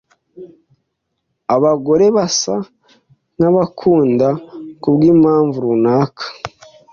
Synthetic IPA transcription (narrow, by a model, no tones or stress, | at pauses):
aβaɡo̞ɾe̞βasa | naβakʰuːndakubɡiːmhaːɱvuɾunaːkʰḁ